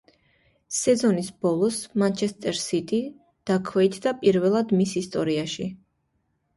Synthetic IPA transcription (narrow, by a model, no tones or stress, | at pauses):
sɛzɔnisbɔlˠɔsmant͡ʃʰɛst̪ʼɛɾsit̪ʼi | d̪̥akʰwɛit̪ʰd̪apʼiɾvɛlˠad̪misist̪ʼɔɾiaʃi